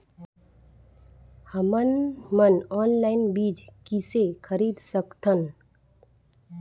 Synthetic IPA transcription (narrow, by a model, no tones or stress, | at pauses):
həmənmənɔːnlaːɪnbiːd͡ʒkisekʰəɾiːd̪səkt̪ʰən